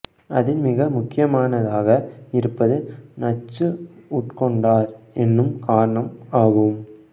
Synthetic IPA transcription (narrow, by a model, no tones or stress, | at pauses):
ɐðɪnmɪɣɐmʊkːɪjɐmaːnɐðaːɣɐɪɾɯpːɐðɯnɐt͡ʃːɯʊʈkɔɳɖaːɾɛnːɯmkaːɾɐɳɐmaːɣɯm